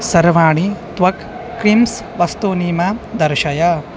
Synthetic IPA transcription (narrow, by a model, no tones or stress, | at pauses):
sɐɾʋaːɳit̪ʋɐk | kɾims | ʋɐst̪uniːmɐd̪ɐɾʃɐjɐ